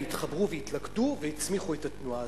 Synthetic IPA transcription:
itχɐbʁuvejitlakduveit͡smiχuetatnua

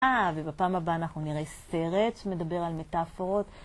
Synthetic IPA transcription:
avebapaːmabaːnaχnuniʁese̞ʁe̞tʃme̞dabeʁalme̞tafo̞ʁo̞t

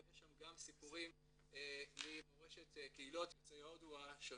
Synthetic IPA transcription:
eʃamɡamsipuʁim | emimoʁeʃetkeilo̞t̪jot͡sajod̪uaʃe

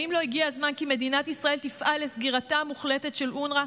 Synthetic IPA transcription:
imlo̞iɡiazmankime̞d̪inat̪isʁae̞lt̪ifʔalːesɡiʁatamuχlete̞tʃe̞lʔunʁa

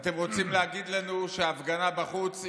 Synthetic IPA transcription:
t̪e̞mʁo̞t͡simleaɡid̪lanuʃeaavɡanabaχut͡s

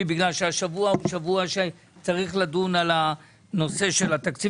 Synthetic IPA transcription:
ibiɡlalʃeaʃavuaoʃavuaʃe | t͡saʁiχlad̪unala | no̞se̞ʃe̞lat̪akt͡si

